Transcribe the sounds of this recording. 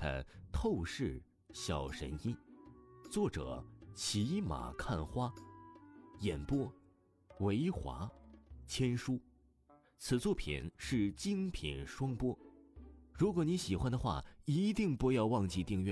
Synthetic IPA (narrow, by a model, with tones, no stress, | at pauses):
ə̰˧˩t̪ʰo˥˧ʊʂɻ̩˥˩ | ɕjɑ˨˩ʊʂə̰˧˥ni˥t͡swɔ˥˩ʈ͡ʂɤ̰˨˩˦t͡ɕʰi˧˥ma̰˨˩kʰa˥˩nxwa˥ | jɛ˨˩npwɔ˥ | we˧˥ɪxwa̰˧˥t͡ɕʰjɛ˥nʂu˥ | t͡sʰɹ̩˨˩t͡swɔ˥˩pʰḭ˨˩nʂɻ̩˥˩t͡ɕi˥ŋpʰḭ˨˩nʂwɑ˥ŋpwɔ˥ | ɻu˧˥kwɔ˨˧˥ni˧˥ɕi˨˩xwa˥nd̪ə˨xwa̰˥˩i˧˥t̪i˥˧ŋpu˧jɑ˥˧ʊwɑ˥˧ŋt͡ɕi˥˧t̪i˥˧ŋɥɛ˥˩